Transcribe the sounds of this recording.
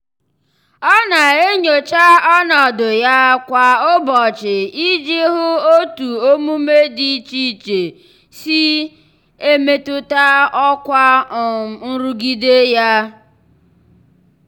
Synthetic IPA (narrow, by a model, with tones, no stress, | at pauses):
ɔ˦na˨e˦ɲo˨t͡ʃa˦ɔ˦nɔ˨dʊ˨ja˦kʷa˨o˦bɔ˨t͡ʃɪ˨i˦d͡ʒi˦ɦʊ˦o˦tu˨o˦mu˦me˦di˨˦t͡ʃi˦˨t͡ʃe˨ | si˦ | e˦me˦tʊ˦ta˦ɔ˦kʷa˦˨ | n̩˦ɾu˦ɡi˦de˦ja˦